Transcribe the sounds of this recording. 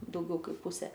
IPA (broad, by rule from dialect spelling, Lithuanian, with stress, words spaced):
dɐʊˈɡʲɛʊ ˈkɐɪp ˈpʊsʲeː